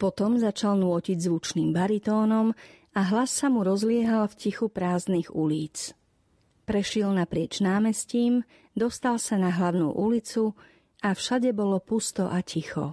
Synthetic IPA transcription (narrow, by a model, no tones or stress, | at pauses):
pɔt̪ɔmzat͡ʃalnʊɔciɟzʋut͡ʃniːmbaɾit̪ɔːnɔm | aɦlasːamuɾɔzlɪɛɦalfcixupɾaːzniɣuliːt͡s | pɾɛʃɪɛlnapɾɪɛt͡ʃnaːmɛsciːm | d̪ɔst̪alsanaɦlaʊnṵːʔulit͡su | afʃaɟɛbɔlɔpust̪ɔ̰ʔacixɔ̰